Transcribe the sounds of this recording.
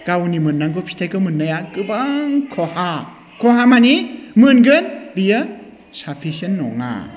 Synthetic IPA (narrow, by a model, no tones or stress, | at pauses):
ɡ̥awnimɯnːaŋɡɔpʰi̥tʰajkɯmɯnːajakɯbaŋkʰɔha | kʰɔhamanimɯnɡɯnbija | sapʰisɯnːɔ̰ŋa̰